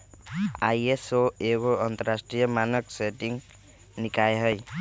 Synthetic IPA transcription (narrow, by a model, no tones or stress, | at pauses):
ajesoeɡoənt̪əɾasʈɾijəmanəkseʈiŋ | nikajɦəj